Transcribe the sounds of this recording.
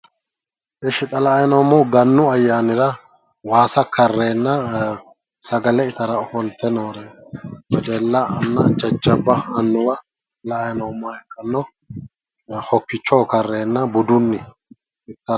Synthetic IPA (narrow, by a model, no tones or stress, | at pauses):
ʔɪʃɪt̪ʼɐlɐːjnoːmʊɡɐnːʊɐjːaːnɪɾɐ | waːsɐkʰɐrːeːnːɐ | sɐɡɐlɛɪt̪ɐɾɐɔfɔlt̪ːɛnoːɾɛbɛd̪ɛlːɐɐnːɐ̰d͡ʒɐt͡ʃːɐbːɐːnːʊwɐ | lɐːjɐnɔmːɐɛkːɐnːɔ | hɔkːɪt͡ʃːoːkɐrːeːnːɐbʊd̪ʊnːɪ | ɪt̪ːɐ